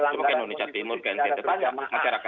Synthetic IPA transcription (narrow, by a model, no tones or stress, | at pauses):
səpakeindonisat̪imʊrkainsent̪epat͡ʃa̰ʔmaʃaɾaka